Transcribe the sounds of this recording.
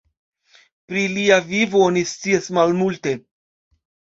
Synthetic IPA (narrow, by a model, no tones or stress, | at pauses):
pɾiliavivoonist͡siasmalmulte̞